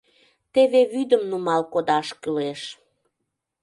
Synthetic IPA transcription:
t̪eβeβyd̪əmnumɑlkod̪ɑʃkəleʃ

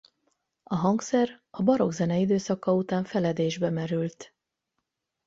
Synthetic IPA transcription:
ɒɦɒŋksɛrɒbɒɾo̞ɡzɛnɛid̪øːsɒkːɒut̪aːɱfɛlɛd̪eːʒbɛmɛɾylt̪

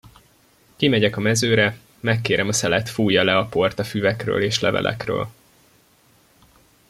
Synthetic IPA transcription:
kimɛɟɛkɒmɛzøːɾɛ | mɛkːeːɾʔɛmɒsɛlɛt̪fuːjɒlɛɒpo̞rt̪ɒfyvɛkrø̰ːleːʃlɛvɛ̰lʔɛ̰krø̰ːl

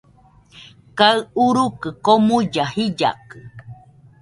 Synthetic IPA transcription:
kaɨuɾukɨkomud͡ʒahid͡ʒa̰kɨ

